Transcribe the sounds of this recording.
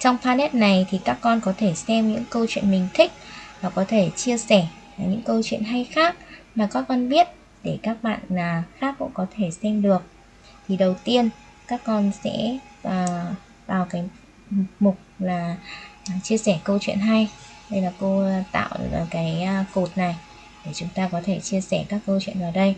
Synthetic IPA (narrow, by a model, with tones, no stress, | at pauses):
t͡ɕɔ˧wŋ͡mfaː˧nɛ˦˥t̚na˨˩jt̪ʰi˨˩kaː˦˥kːɔ˧nkɔ˨˦t̪ʰe˧˩sɛ˧mɲɨ̰˧˥ŋkə˧wt͡ɕwḭ˧˨ənmï˨˩ŋ̟t̪ʰï˦˥k̟̚vaː˨˩kɔ˨˦t̪ʰe˧˩t͡ɕi˧əsɛ˧˩˨ | ɲɨ̰˧˥ŋkə˧wt͡ɕwḭ˧˨ə˨nɦa˧jxaː˦˥k̚maː˨˩kaː˦˥k̚ːɔ˧nɓi˦˥ət̚ | ɗe˧˩kaː˦˥k̚ɓa̰ː˧˨naː˨˩xaː˦˥k̚ːʊ̰˧˥ŋ͡mkɔ˨˦t̪ʰe˧˩sɛ˧mɗɨ˨˩ək̚ | t̪ʰi˨˩ɗə˨˩wt̪i˧ən | kaː˦˥kːɔ˧nsɛ̰ː˧˥˨ | vaː˨˩wkaː˨˦j | mʊ˨˩k͡p̚laː˨˩˨ | t͡ɕi˧əsɛ˧˩kə˧wt͡ɕwḭ˧˨ənɦa˧j | ɗə˧jlaː˨˩ko˧t̪a̰ː˧˨wə˨˩kaː˨˦jko˨˩t̚na˨˩j | ɗe˧˩t͡ɕʊ˨˦ŋ͡mt̪aː˧kɔ˨˦t̪ʰe˧˩t͡ɕi˧əsɛ˧˩kaː˦˥kːə˧wt͡ɕwḭ˧˨nvaː˨˩wɗə˧j